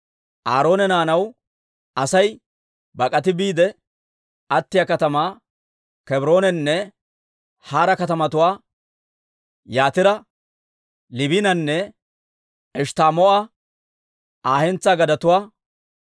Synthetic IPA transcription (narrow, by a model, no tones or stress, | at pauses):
ʔaːɾo̞ːnɛnaːnɐw | ʔɐsɐj | bɐkʼɐt̪̬ɪbiːd̪ɛ | ʔɐt̪ːɪjakɐt̪ɐmaː | kɛbɾo̞ːnɛnːɛ | haːɾɐkɐt̪ɐmɐt̪ʊwaː | jaːt̪ɪɾɐ | lɪbiɪnɐnːɛ | ɛʃt̪aːmɔʔɐ | ʔaːhɛnt͡sːaːɡɐd̪ɐt̪ʊwaː